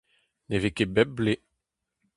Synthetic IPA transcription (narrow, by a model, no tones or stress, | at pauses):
nevekebɛble